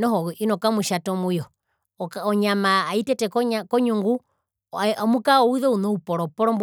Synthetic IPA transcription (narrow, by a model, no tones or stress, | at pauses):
nɔhɔinɔkamuʃatɔmujɔ | kɔɲamaːitɛtɛkɔɲkɔɲuŋɡu | amukaɔuðɛunɔupɔɾɔpɔɾɔmb